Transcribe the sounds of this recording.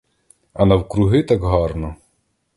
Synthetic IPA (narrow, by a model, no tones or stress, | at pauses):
ɐnɐwkɾʊɦɪt̪ɑkɦɑrnɔ